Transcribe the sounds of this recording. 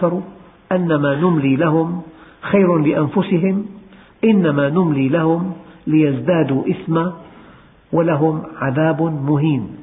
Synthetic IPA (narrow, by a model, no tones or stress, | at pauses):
ɑɾˤu | ʔanːamaːnʊmliːlaɦʊm | xajɾʊlɪʔanfʊsɪɦɪm | ʔɪnːamaːnʊmliːlahʊmlɪjazd̪aːd̪uːʔɪsma | walaɦʊmʕaðaːbmʊɦiːn